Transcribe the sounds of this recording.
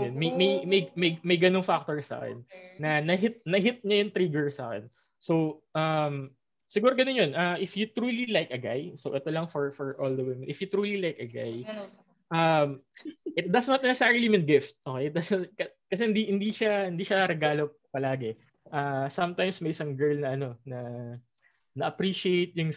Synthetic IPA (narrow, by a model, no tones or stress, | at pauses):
jonmɐjmɐjmɐjmɐjmɐjɡɐnoŋfak̚t̪oɹsa̰ːkɛ̰nːɐnɐɦɪt̪̚nɐɦɪt̪̚ɲɐjʊŋt̪ɾiːɡɛɹsa̰ːkɛ̰n | sowʔɐm | sɪɡuːɾoɡɐnonjonʔɐʔɪfjʊt̪ɾuːlilajkɐɡa̰jsowʔɛt̪olɐŋfɔɹfɔɹʔold̪ɐwɪmɛnʔɪfjʊt̪ɾuːlilajkɐɡa̰j | ʔɐmʔɪt̪̚d̪ɐsnɐt̪̚ɛɛsaɹɪlimɪn̚ɡɪft̪̚ʔoːkejt̪̚d̪ɐsɐkɐkɐs̬ɛhɪnd̪ihɪnd̪iʃahɪnd̪iːʃɐɾɛɡaːlopɐlaːɡɛ | ʔɐsɐmt̪ajmsmɐjʔɪsɐŋɡɛɹlnɐʔɐno̞nɐ | nɐʔɐpɾiʃɪejt̪̚jʊŋ